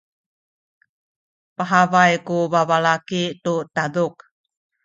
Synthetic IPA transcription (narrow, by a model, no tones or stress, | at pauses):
paɦavajkuvavalakitutaduk